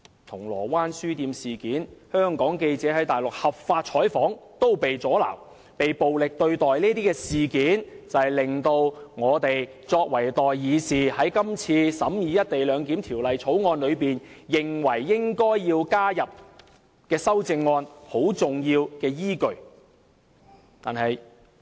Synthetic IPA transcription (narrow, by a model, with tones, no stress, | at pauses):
t̪ʰʊ˨˩ŋlɔ̰ː˨˩waː˥nsyː˥t̪iː˧msiː˨˩kiː˨˥nhœː˥ŋkɔː˨˥ŋke˧jt͡sɛː˨˥hɐ˨˥jt̪aː˨jlʊ˨k̚hɐ˨p̚faː˧t̚t͡ʃʰɔː˨˥jfɔː˨˥ŋt̪o˥wpe˨jt͡sɔː˨˥la̰ː˨˩w | pe˨jpo˨wlɪ˨k̚t̪ɵ˧ɥt̪ɔː˨jliː˥t̪iː˥kɛː˧siː˨kiː˨˥nt͡sɐ˨˩hjlɪ˨ŋt̪o˧wŋɔː˨˧t̪e˨j | t͡sɔː˧k̚wɐ˨˩jt̪ɔː˨jːiː˨˧siː˨˩hɐ˨˥jkɐ˥mt͡sʰiː˧sɐ˨˥mjiː˨˧jɐ˥t̚t̪e˨jlœː˨˧ŋkiː˨˥mt̪ʰiː˨˩wlɐ˨jt͡sʰo˨˥wŋɔː˧nlɵ˨˧ɥpiː˨njɪ˨ŋwɐ˨˩jːɪ˥ŋkɔː˥jːiː˧wkaː˥jɐ˨p̚ | kɛː˧sɐ˥wt͡sɪ˧ŋːɔː˧nho˨˥wt͡sʊ˨ŋjiː˧wkɛː˧jiː˥kɵ˨ɥ | t̪a̰ː˨nhɐ˨j